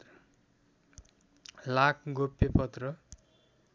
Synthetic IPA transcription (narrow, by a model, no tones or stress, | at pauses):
lakʰɡopːepʌt̪rʌ